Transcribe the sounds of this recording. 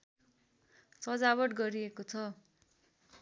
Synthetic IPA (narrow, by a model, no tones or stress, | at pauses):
t͡sʌd͡zaβʌʈɡʌɾiekot͡sʰʌ